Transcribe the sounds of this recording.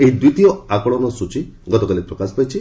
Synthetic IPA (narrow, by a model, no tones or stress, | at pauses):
eɦid̪wit̪ijɔakɔɽɔnɔsut͡ʃiɡɔt̪ɔkalipɾɔkasɔ̥pajt͡ʃʰi